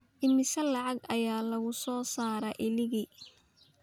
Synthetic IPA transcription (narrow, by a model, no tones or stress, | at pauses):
ʔɪmɪsɐlɑʕɑɡɐjaːlɐɣʊsɔːsaːɾɐʔɪlɪɣi